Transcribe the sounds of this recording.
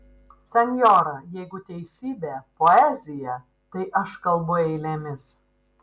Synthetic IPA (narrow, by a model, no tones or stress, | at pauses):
sʲɛnʲjoːɾɐjɛɪɡʊt̪ʲɛɪsʲiːbʲeːpoːɛːzʲɪjɛ | t̪ɐɪʔɐʃkɐlˠbʊɛɪlʲɛmʲɪs